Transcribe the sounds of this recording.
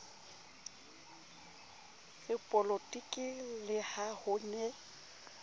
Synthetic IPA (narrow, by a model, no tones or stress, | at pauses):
ɣɪpʼɔlotʼikʼɪlɪhahʊnɛ